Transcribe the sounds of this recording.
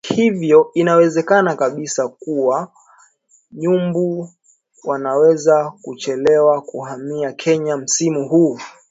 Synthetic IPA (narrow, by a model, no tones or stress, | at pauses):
hivjɔinawɛzɛkanakaɓisakuwa | ɲumbu | wanawɛzakut͡ʃɛlɛwakuhamiakʰɛɲam̩simuɦu